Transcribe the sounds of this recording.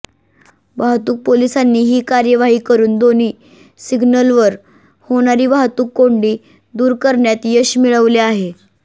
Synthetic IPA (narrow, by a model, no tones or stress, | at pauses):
ʋaɦt̪uːk̚polisanːiːɦiːkaɾjəʋaɦiːkəɾuːnd̪oniː | siɡnəlʋəɾ | hoɽ̃aɾiːʋaɦt̪uːkːoɳɖiː | d̪uːɾkəɾɳjat̪jəɕmiɭəʋleaɦe